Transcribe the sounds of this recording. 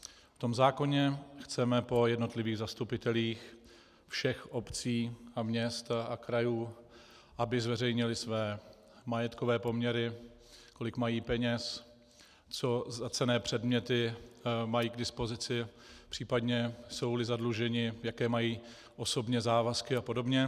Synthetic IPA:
ft̪o̞mzaːko̞ɲɛxt͡sɛmɛpo̞jɛdno̞t̪lɪviːɣzast̪upɪt̪ɛliːx | fʃɛxʔo̞pt͡siːʔamɲɛst̪akɾajuː | ʔabɪzvɛrɛjɲɪlɪsvɛː | majɛt̪ko̞vɛːpo̞mɲɛɾɪ | ko̞lɪkmajiːpɛɲɛs | t͡so̞zat͡sɛnɛːpr̥ɛdmɲɛt̪ɪmajiːɡdɪspo̞zɪt͡sɪpr̥iːpadɲɛso̞wlɪzadluʒɛɲɪjakɛːmajiː | ʔo̞so̞bɲɛzaːvaskɪapo̞do̞bɲɛ

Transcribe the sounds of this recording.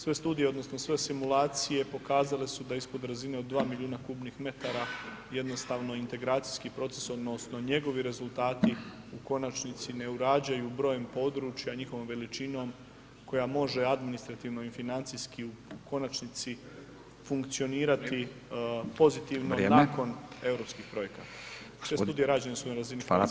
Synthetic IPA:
sʋe̞st̪uːd̪ijeo̞d̪no̞sno̞sʋe̞simulaːt̪sije̞po̞kaːzale̞sud̪aispo̞d̪ɾazine̞od̪ːʋaːmiʎʲuːnakuːbnixme̞t̪aɾaje̞d̪no̞st̪aːʋnoint̪e̞ɡɾaːt̪sijskipɾo̞t̪se̞so̞d̪no̞sno̞ɲe̞ɡo̞ʋiɾe̞zulˠt̪aːt̪i | uko̞nat͡ʃnit̪sine̞uɾaːd͡ʒajubɾo̞ːje̞mpo̞d̪ɾuːt͡ʃjaɲixo̞ʋo̞mʋe̞lit͡ʃino̞ːm | ko̞jamo̞ʒe̞ad̪minist̪ɾat̪iːʋno̞ifinant̪sijskiuuko̞nat͡ʃnit̪si | fuŋkt̪sio̞niːɾat̪i | po̞zit̪iʋnonako̞ne̞vɾo̞pskiːxpɾo̞je̞kat̪a | sest̪uːd̪ieɾaːd͡ʑenesunaɾazini

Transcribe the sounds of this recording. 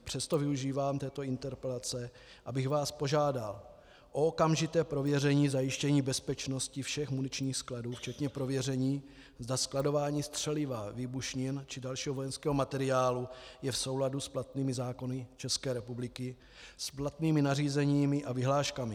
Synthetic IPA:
pr̝̥ɛst̪o̞vɪuʒiːvaːmt̪ɛːt̪o̞ɪnt̪ɛɾpɛlat͡sɛ | ʔabɪxvaːspo̞ʒaːdal | ʔookamʒɪt̪ɛːpɾo̞vjɛrɛɲiːzajɪʃcɛɲiːbɛspɛt͡ʃno̞scɪfʃɛxmunɪt͡ʃɲiːxskladuːft͡ʃɛt̪ɲɛpɾo̞vjɛrɛɲiː | zdasklado̞vaːɲiːst̪r̝̥ɛlɪvaviːbuʃɲɪnt͡ʃɪdalʃiːɦoo̞jɛnskɛːɦo̞mat̪ɛɾɪaːlujɛfso̞wladusplat̪niːmɪzaːko̞nɪt͡ʃɛskɛːɾɛpublɪkɪ | splat̪niːmɪnariːzɛɲiːmɪʔavɪɦlaːʃkamɪ

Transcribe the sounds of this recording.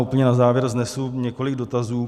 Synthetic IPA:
ʔupl̩ɲɛnazaːvjɛɾznɛsuɲɛko̞lɪɡdo̞t̪azuː

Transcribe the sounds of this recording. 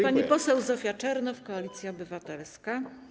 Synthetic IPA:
paɲipɔsɛwzɔfʲjat͡ʂɛɾnɔfkɔalʲit̪sʲjaɔbɘvat̪ɛlska

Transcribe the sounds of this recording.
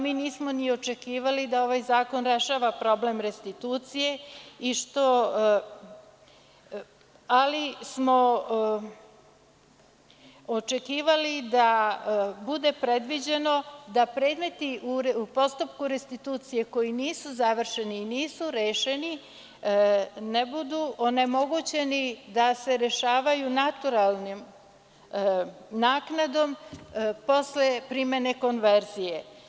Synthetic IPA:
miːniːsmo̞nio̞t͡ʃe̞kiːʋalid̪ao̞ʋajzaːko̞nɾe̞ʃaːʋapɾo̞ble̞mɾe̞st̪it̪uːt̪sije̞iʃt̪o̞ | alismo̞ | ot͡ʃe̞kiːʋalid̪a | bud̪e̞pɾe̞d̪ʋid͡ʑe̞no̞d̪apɾeːd̪me̞t̪iʔuupo̞st̪upkuɾest̪it̪uːt̪sije̞ko̞jiniːsuzaʋr̩ʃe̞niːniːsuɾeːʃe̞ni | nebud̪uʔone̞mo̞ɡut͡ɕe̞nid̪ase̞ɾe̞ʃaːʋajunat̪uɾalˠnim | naːknad̪o̞mpo̞sle̞pɾime̞ne̞ko̞nʋe̞ɾzije

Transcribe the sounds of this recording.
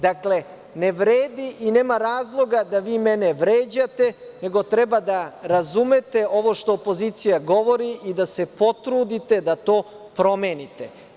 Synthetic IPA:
d̪akle̞ | ne̞ʋɾeːd̪iʔine̞ːmaɾaːzlˠo̞ɡad̪aʋiːmeneʋɾeːd͡ʑat̪e̞ne̞ɡo̞t̪ɾɛbad̪aɾazume̞t̪e̞o̞ʋo̞ʃt̪o̞ːpo̞ziːt̪sijaɡo̞ʋo̞ɾiʔid̪ase̞po̞t̪ɾuːd̪it̪e̞d̪at̪o̞ː | pɾo̞meːnit̪e̞̰

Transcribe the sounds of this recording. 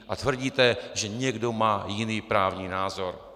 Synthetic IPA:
ʔat̪vr̩ɟiːt̪ɛʒɛɲɛɡdomaːjɪniːpɾaːvɲiːnaːzo̞ɾ

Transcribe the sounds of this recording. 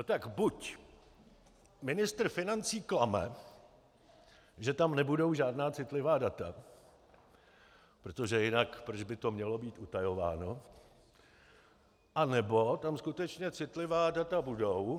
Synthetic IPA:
not̪akbuc | mɪnɪst̪r̩fɪnant͡siːklamɛ̰ | ʒɛt̪amnɛbudo̞wʒaːdnaːt͡sɪt̪lɪvaːdat̪a | pɾo̞t̪o̞ʒɛjɪnakpɾod͡ʒbɪt̪o̞mɲɛlo̞biːt̪ʔut̪ajo̞va̰ːno̞ | ʔanɛbo̞t̪amskut̪ɛt͡ʃɲɛt͡sɪt̪lɪvaːdat̪abudow

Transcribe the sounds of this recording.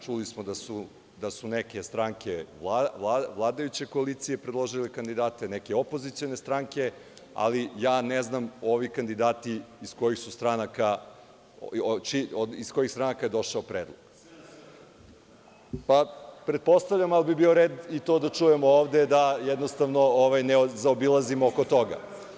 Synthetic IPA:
t͡ʂulismod̪asu | d̪asuneke̞st̪ɾaŋkelaʋlˠaʋlˠaːd̪ajut͡ɕe̞ko̞alit̪sijepɾed̪lˠo̞ʒilekand̪id̪aːt̪enekeo̞po̞zit̪sio̞ne̞st̪ɾaŋke̞ | a̰lijaːneznamo̞ʋikand̪id̪aːt̪iːsko̞jixsust̪ɾanaka | t͡ʃioisko̞jixst̪ɾanakaje̞d̪o̞ʃaopɾeːd̪lˠoɡ̥ | papɾed̪̚po̞st̪avʎʲamalibibio̞ɾeːd̪it̪od̪at͡ʃujemooːʋd̪ed̪ajed̪nost̪avnooʋajneozaobilˠazimookot̪o̞ɡa̰

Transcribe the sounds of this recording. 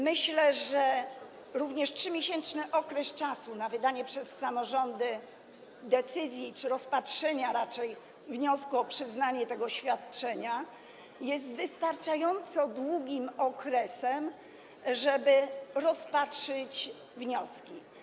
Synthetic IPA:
mɘɕlɛʐɛ | ɾuvɲɛʂtʂɘmʲjeɕɛnt͡ʂnɘʔɔkɾɛst͡ʂasunavɘd̪aɲɛpʂɛsːamɔʐɔnd̪ɘ | d̪ɛt̪sɘzʲjit͡ʂɘɾɔspatʂɛɲaɾat͡ʂɛj | vɲɔskuɔpʂɘznaɲɛt̪ɛɡɔɕfʲjat̪t͡ʂɛɲa | jɛs̬t̪vɘst̪aɾt͡ʂajɔnt̪sɔd̪wuɡʲimɔkɾɛsɛm | ʐɛbɘɾɔspatʂɘt͡ɕ | vɲɔskʲi

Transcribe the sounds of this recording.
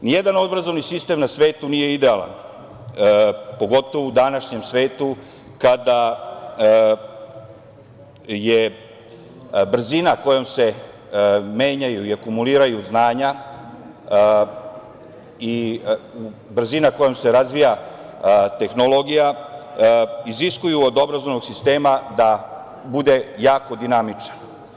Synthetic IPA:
nije̞d̪ano̞d̪bɾazo̞ʋnisist̪emnasʋe̞ːt̪unije̞id̪e̞ala̰n | po̞ɡo̞t̪o̞ʋoud̪anaʃɲe̞msʋe̞ːt̪u | kad̪a | je | br̩zinako̞jo̞mse̞ | me̞ːɲajuiakumuliːɾajuznaːɲa | iu | bɾ̩zinako̞jomse̞ɾazʋija | t̪e̞xnolˠo̞ɡija | iziskujuod̪o̞bɾazonoɡsist̪e̞ːmad̪a | bud̪e̞jaːko̞d̪inamit͡ʃnḁ

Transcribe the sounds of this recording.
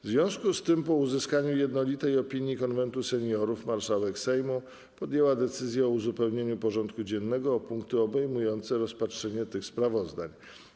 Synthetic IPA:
vzvʲjɔ̃w̃skust̪ɘmpɔuzɘskaɲujɛd̪nɔlʲit̪ɛjɔpʲiɲjikɔnvɛnt̪usɛɲjɔɾufmaɾʂawɛksɛjmu | pɔd̪jɛwad̪ɛt̪sɘzʲjɛɔuzupɛwɲeɲupɔʐɔnt̪kud͡ʑɛnːɛɡɔːpuŋk̚t̪ɘɔbɛjmujɔnt̪sɛɾɔspatʂɛɲɛt̪ɘxspɾavɔzd̪a̰ɲ

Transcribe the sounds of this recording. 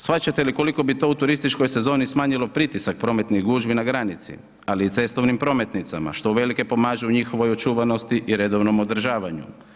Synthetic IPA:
sfat͡ɕat̪eliko̞liko̞bit̪o̞ut̪uɾist̪it͡ʃko̞jse̞zo̞ːnismaːɲilˠo̞pɾit̪isak̚pɾo̞ːme̞t̪niɣɡuːʒbinaɡɾanit̪sḭ | aliːt̪se̞st̪o̞ʋnimpɾo̞me̞t̪nit̪sama̰ʃt̪o̞uʋe̞like̞po̞maːʒeuɲixo̞ʋo̞jot͡ʃuːʋano̞st̪iʔiɾe̞d̪o̞ʋno̞mo̞d̪ɾ̩ʒaːʋaɲṵ

